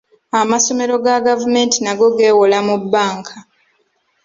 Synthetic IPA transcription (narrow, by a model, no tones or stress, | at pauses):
amaso̞me̞ɾo̞ɡaɡavume̞ːntinaɡo̞ɡe̞ːwolamubːaːŋkʰa